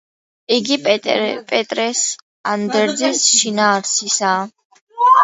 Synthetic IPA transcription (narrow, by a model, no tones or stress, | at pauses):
iɡipʼɛt̪ʼɾɛs | and̪ɛɾd̪zisʃinaːɾsʰisaː